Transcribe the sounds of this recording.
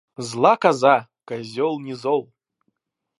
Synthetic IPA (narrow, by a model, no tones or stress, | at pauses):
zlˠakazakazʲɔlˠnʲizɔlˠ